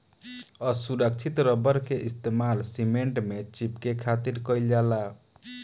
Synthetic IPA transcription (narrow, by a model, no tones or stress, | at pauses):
əsuɾək̚t͡ʃʰit̪ɾəbəɾkeʔist̪emalsimeɳʈmet͡ʃipkekʰat̪iɾkəild͡ʒala